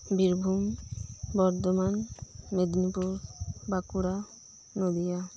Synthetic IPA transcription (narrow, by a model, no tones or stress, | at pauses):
biɾbʱumbɔɾt̪ɔmanmed̪nipuɾbakuɾa | nod̪ija